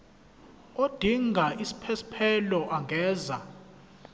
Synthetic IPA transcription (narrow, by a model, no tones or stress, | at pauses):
od̥ʱiŋʱaʔisi̥pʰɛsi̥pʰɛlɔʔaŋɡʱɛːza